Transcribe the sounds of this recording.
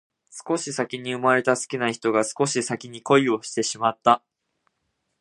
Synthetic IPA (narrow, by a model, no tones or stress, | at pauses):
sɨ̥ko̞ɕisakʲiɲ̟iɯ̟maɾe̞t̪asɨ̥kʲinaçi̥t̪o̞ɡasɨ̥ko̞ɕisakʲiɲ̟iko̞io̞ɕi̥t̪e̞ɕimat̪ːa